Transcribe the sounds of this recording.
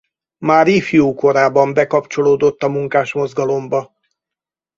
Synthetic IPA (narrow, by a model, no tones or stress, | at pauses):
maːɾiːfjoːko̞ɾaːbɒmbɛkɒpt͡ʃo̞loːd̪o̞t̪ːɒmuŋkaːʃmo̞zɡɒlo̞mbɒ